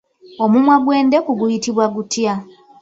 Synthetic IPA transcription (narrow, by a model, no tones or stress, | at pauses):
o̞mumwaɡwe̞ːndekuɡujitiβwaɡutja